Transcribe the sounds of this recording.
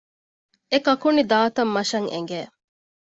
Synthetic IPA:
ekɐkunid̪aːt̪ɐmːɐʃɐŋḛŋ̆ɡeː

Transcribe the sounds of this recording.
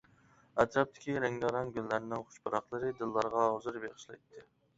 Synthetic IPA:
æt̪ɾɑp̚t̪ʰɪ̥kʲiɾɛŋʲɡ̪ɑɾɑnɡʲylːæɾnɪŋχʊ̥ʃpɑɾɑχlˠɨɾɨd̪ɨlˠːɑɾʁɑɦɑzɨɾbeʁɨʃlˠɑjt̪ʰːɨ

